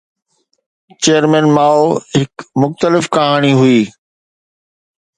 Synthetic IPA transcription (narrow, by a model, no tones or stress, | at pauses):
t͡ɕeːjəɾmɛ̃ːnmaːoɦɪkmʊxt̪əlɪfkɐɦaːɽ̃iɦʊiː